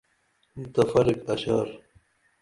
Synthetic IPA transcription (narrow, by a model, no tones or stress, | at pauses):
mt̪ɐfɐɾikɐɕɑːɾ